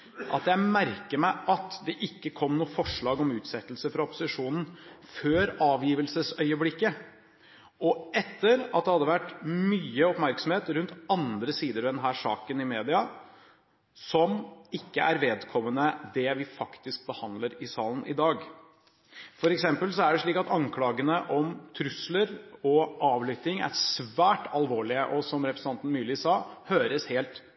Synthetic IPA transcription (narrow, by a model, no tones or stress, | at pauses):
ʔɑt̪jæɪmæɾkəɾmæɪʔɑt̪d̪ɛʔɪkːəkʰɔmnuːəfɔʂɭɑːɡɔmʉːt̪sɛt̪ːlsəfɾɑʊpʊ̥sɪʂuːnn̩føːɾɑːʋjiːʋəlsəsœʏəblɪkːə | ɔɛt̪ːəɾɑt̪̚d̪ɛhɑd̪ːəʋæʈːmyːəɔpmæɾksɔm̩heːt̪ɾʉnt̪ɑnd̪ɾəsiːd̪əɾd̪ɛnɦæːʂɑ̰ːkənɪmeːd̪ɪɑ | sɔmɪkːəʔæɾʋeːd̪kʰɔmːənəd̪ɛʋɪfɑkt̪ɪsk̚bəhɑnd̪ləɾɪsɑːlən̩ʔɪd̪ɑːɡ | fɔɾɛksɛmpəlsɔæɖɛʂɭiːkɑt̪ɑŋkʰlɑːɡənəʔɔmt̪ʰɾʉsləɾɔʔɑːʋlʏt̪ɪŋæ̰ɾsʋæːʈʰɑlʋoːɭɪəʔɔsɔmɾɛpɾsɑnt̪n̩myːlɪsɑːhøːɾəsheːlt̪